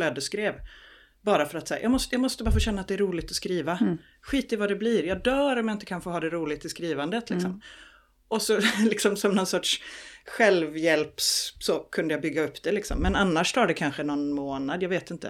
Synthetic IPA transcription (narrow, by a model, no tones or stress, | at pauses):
lœːd̪əskɾeːv | bɑːɾafœɾat̪saːja̰ːɡmɔst̪jɑːɡmɔst̪əbɑːɾfoːɕɛnːat̪̚d̪ɛæɾuːlɪɡ̚t̪ɔskɾiːva | ɧiːt̪ɪvad̪ɛbliːɾjɑːd̪œːɾɔmjaɪnt̪əkʰanfoːɦɑːd̪ɛɾuːlɪɡt̪ːɪskɾiːvand̪ət̪lɪksɔ̰m | ʔɔsɔlɪksɔmsɔmnɔnsɔʈʂɧɛlvjɛlpssɔkʰɵnd̪əjabʏɡːaɵpːd̪ɛlɪksɔ̰mːɛnanːaʂt̪ʰɑːɖɛkʰanɧənɔnmoːnad̪jɑːɡveːt̪ɪnt̪ə̰